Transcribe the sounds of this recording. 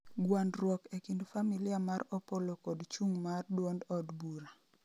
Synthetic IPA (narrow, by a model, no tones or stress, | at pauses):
ɡwandɾwɔkekindofamilɪamaɾɔpolokɔdt͡ʃuŋmardwɔndɔdbuɾa